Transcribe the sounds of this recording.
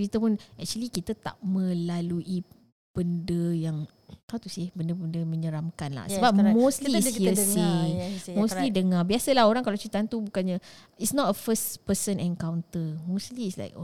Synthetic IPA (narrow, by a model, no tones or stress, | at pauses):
ɾit̪əpʊnɛk̚t͡ʃuəlikit̪at̪a̰ʔmə̃laluʔi | b̥əndəjaŋ | kawt̪usɪhbəndəbəndəmə̃ɲəɾamkanla̰hsəbap̚mosliːsəsimõst̪lidəŋãbiasəlaɦoɾaŋkalawt͡ʃit̪ant̪ubukanɲa | itsnɔtəfəspəsənɛ̃nkawnt̪əmosliːsla̰ɪjko